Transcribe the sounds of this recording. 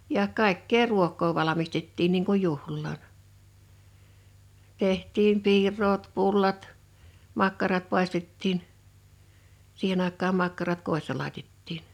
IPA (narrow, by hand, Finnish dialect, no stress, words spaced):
jɑ kɑˑikːeː ruokˑoː ʋɑlɑmistetːiːn niːŋ kuj juhlːɑːn tehtˑiːm piːrˑoːt pulːɑt mɑkːɑrɑt pɑˑistetːiːn sihen ɑˑekˑɑːm mɑkːɑrɑt koˑisːɑ lɑˑitetːiːn